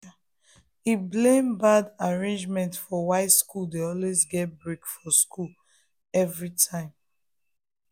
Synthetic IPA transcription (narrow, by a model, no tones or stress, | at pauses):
iblẽmbadaɹẽnd͡ʒmɛ̃ntfɔwaɪtskuldeɔlwezɡɛt̚bɹekfɔskʰul | ɛvɹitʰãɪ̃m